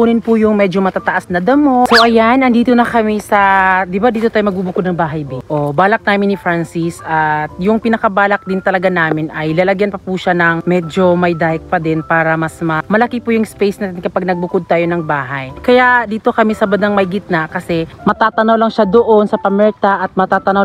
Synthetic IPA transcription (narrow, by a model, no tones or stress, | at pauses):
puːnɪnpʊjʊŋmɛd͡ʒomɐt̪aːt̪ɐʔasnɐd̪ɐmosoʔɐjanɐŋd̪iːt̪onɐkɐmɛsɐd̪ɪbad̪iːt̪oaːjomɐɡ̚buːbʊkod̪nɐŋbaːɦɐjbɪʔobaːlɐk̚naːmɪnɪfɾansisʔɐt̪jʊŋpinɐkɐbaːlɐk̚d̪ɪnt̪ɐlɐɡanaːmɪnɐjlɐlɐɡjɐnpɐpuʃanɐŋmɛd͡ʒo̞mɐjd̪aːhɪk̚pɐd̪ɛnpaːɾɐmɐsmɐmɐlɐkipujʊŋspɛjsnaːt̪ɪnkɐpaɡ̚nɐɡ̚bʊkod̪̚t̪aːjo̞nɐŋbaːɦɐjkɐjaʔd̪iːt̪o̞kɐmɛsɐbɐd̪ɐŋmɐjɡɪt̪̚nakɐsɛmɐt̪aːt̪ɐnawlɐŋʃad̪oʔo̞nsɐpɐmɛɹt̪aʔɐt̪̚mɐt̪aːt̪ɐnɐw